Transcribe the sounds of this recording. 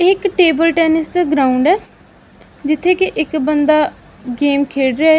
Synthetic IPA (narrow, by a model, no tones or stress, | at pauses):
ɪkʈeːbəlʈɛːnɪsd̪aːɡɾaːʊɳɖɛː | d͡ʒɪt̪ʰːeːkɪʔɪkbənd̪aː | ɡeːmkʰeːɽɾea